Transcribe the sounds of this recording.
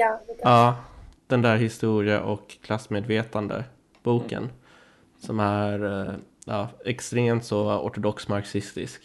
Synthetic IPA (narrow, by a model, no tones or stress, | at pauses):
ɑːd̪̥ɛnd̪æːɾɦɪst̪uːɾɪə̰ʔɔkkʰːlasːmeːd̪veːt̪and̪ə̰ | b̥uːkə̰n | sɔmæɾʔɑːɛkst̪ɾeːmt̪sɔɔ̰ʈʊd̪ɔksmaɾksɪst̪ɪ̰sk